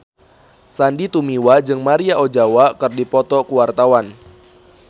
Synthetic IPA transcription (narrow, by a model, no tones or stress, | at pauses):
sandit̪umiwad͡ʒɨŋmaɾiaʔod͡ʒawakɨrdipɔt̪ɔkuwart̪awan